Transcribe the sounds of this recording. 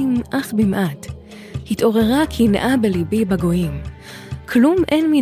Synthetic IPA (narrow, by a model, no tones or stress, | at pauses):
imʔaχbimʔat | hito̞ʁe̞ʁakʰinʔabelibibaɡo̞jim | kʰlumʔenmi